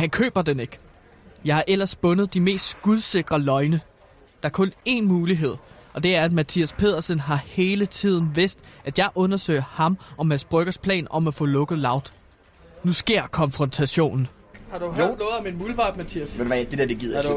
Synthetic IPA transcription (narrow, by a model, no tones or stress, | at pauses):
hænkʰø̰ːb̥ɐd̥ene̝ɡ̥ | jɑ̈ɪhɑ̈ʔel̰ɐsb̥ɔ̽nəð̞̩ˠd̥ime̝̰ːsd̥sɡ̥uðˠse̝ɡ̥ʁɐlɒ̽ɪnə | d̥ɑ̈æɐkʰɔ̽ne̝nmuːliɦe̝ð̰ˠɒ̽d̥e̝æɐæd̥mæt͡sʰiːæspʰe̝ð̰ˠɐsənɦɑ̈he̝ːlət͡sʰið̞̰ˠn̩ʋe̝sd̥ʔæd̥jɑ̈ɪʔɔ̽nɐsø̰ɪɐhɑ̈mɒ̽mhænsb̥ʁœɡ̥ɐspʰlɛ̰ːnɒ̽mæfɔ̰̽ːlɔ̽ɡ̥ð̞̩ˠlɑ̈ʊd̥ | nusɡ̥e̝ɐ̰kʰɒ̽nfʁɔ̽nt͡sʰæɕo̝̰ːnn̩ | hɑ̈d̥u̥nɔːð̩ˠminmuːlʋɑ̈ːd̥mæt͡sʰiæsd̥edeɐd̥eɡið̰ˠ